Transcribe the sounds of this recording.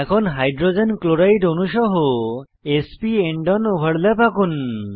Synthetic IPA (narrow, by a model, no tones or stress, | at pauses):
ɛkʰɔnɦajɖɾod͡ʑenkloɾajʈonuʃɔɦo | espieɳɖɔnobʱaɽlɛpakun